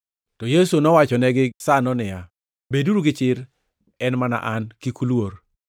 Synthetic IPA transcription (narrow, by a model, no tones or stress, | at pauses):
tɔjesunɔwat͡ʃɔnɛɡɪsanɔnɪja | beduɾuɡɪt͡ʃɪɾ | ɛnmana̰ʔankikulwoɾ